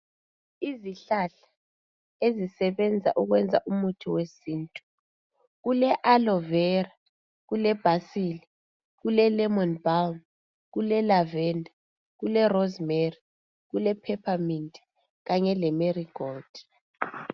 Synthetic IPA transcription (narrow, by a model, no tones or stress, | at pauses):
iziɬaɬḁ | ezisɛβɛnd͡zʱa̰ʔuɣwɛnd͡zʱa̰ʔumutʰiwesiːntʼu̥ | ɣulɛʔalɔvɛra | ɣulɛb̥ʱasili | ɣulɛlɛmɔnbawn | ɣulɛlavɛndʱa | ɣulɛrɔzmeri | ɣulɛpʰɛpʰamindi̥ | ɣaɲɛlɛmeriɡ̥ɔld̥